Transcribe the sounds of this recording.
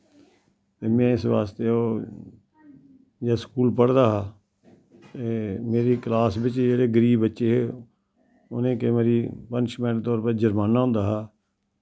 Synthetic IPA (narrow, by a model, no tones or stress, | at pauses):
t̪eːmɛ̃ːɪsʋaːst̪eːoː | d͡ʒaːskuːlpəɽd̪aːɦaː | t̪eːmeːɾiːklaːsbɪt͡ʃd͡ʒeːɾeːɡəɾiːbətːʃeːɦeː | ʊnẽːkemeːɾiːpənt͡ʃmɛ̃ːʈt̪ɔːɾpəd͡ʒəɾmaːnaːɦʊ̃nd̪aːɦaː